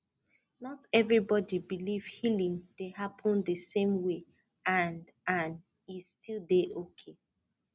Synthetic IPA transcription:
nɔtɛvɹibɔdibiliv̥hilĩŋdeɦapʰə̃ndəsẽmwe | ãnãn | istʰilˠdeʔokʰe

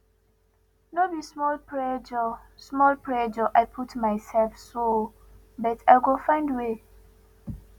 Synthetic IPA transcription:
nobismɔlpɹɛd͡ʒɔ | smɔlpʰɹɛd͡ʒɔʔaɪpʰutmaɪsɛlfso | bɛtʰaɪɡofãɪ̃ndwe

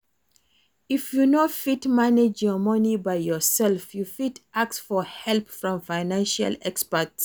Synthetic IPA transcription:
ifjunofitmaned͡ʒjɔmʌnibajjɔsɛlfjufitʰʔaksfɔhɛlpfɹɔ̃mfaɪnãnʃa̰lɛkspəts

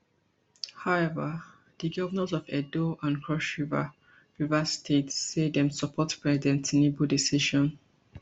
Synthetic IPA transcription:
haʊɛvə | diɡɔvənə̃zɔvɛdoʔãnkʰɹɔʃuva̰ | pɹivastʰetsːedɛ̃msəpʰɔtpɹɛzidɛ̃ntenebudisiʃɔ̃n

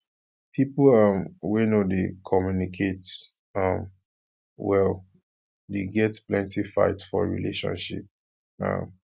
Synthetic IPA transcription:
pʰiplʌmwenodekʰɔmjunikʰet | ʌ̃m | wɛl | deɡɛtplɛ̃ntifa̰ɪtfɔ̰ɹḭlḛʃɔ̰̃nʃḭp̚ | ʌ̰̃m

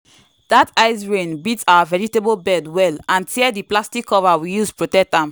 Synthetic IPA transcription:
d̥ataɪsɹẽnbitaʊavɛɹitebolbɛdwɛlãntʰiɛdiplastikʰːɔvawijuspɹotɛk̚tãm

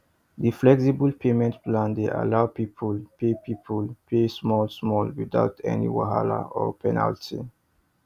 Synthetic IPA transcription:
diflɛksibəlpʰemɛ̃ntplãnd̪eʔa̰laʊpipʰəlpʰepʰipʰəlpʰesmɔlsmɔlwiða̰ʊtɛ̰nḭwaɦala̰ɔ̰pʰɛna̰ltʰḭ

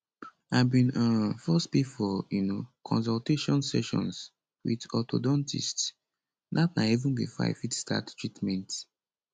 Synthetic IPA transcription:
abĩnə̃fɛstpifɔjunokʰɔ̰̃nsɔlteʃɔ̃nsɛ̰ʃɔ̰̃ns | wḭdɔto̰dɔ̃ntḭsts | natnaivũnwḭfa̰ɪfitsta̰ttɹitmɛ̃nt

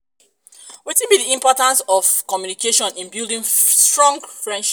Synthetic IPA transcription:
witĩnbiðiĩmpɔtãnsɔv̥kɔmjunikeʃɔ̃nĩnbilˠdĩŋstɹɔ̃ŋɡfɹɛ̃nʃ

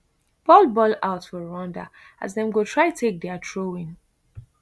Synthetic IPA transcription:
b̥ɔlbɔlaʊtfɔɹɔ̃nda̰ | a̰zðɛ̃mɡotʰɹaɪtʰek̚dɛatʰɹoĩŋ

